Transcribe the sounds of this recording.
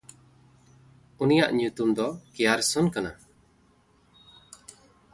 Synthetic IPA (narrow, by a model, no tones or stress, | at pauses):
unija̰ʔɲut̪umd̪ɔkɛjaɾsunkana̰